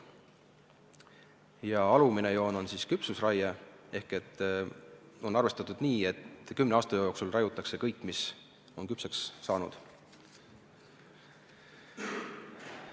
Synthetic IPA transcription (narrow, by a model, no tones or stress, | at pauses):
jɑɑluminejo̞ːno̞nsiskypsusrɑjɑe̞hke̞t̪ː | onɑrve̞st̪ɑt̪ːˑud̪̥niːe̞t̪kymːneɑːst̪ɑjoo̞ːksulrɑjut̪ːˑɑkse̞kɤjkːˑmis | o̞nkypsɑksːɑːnud̪̥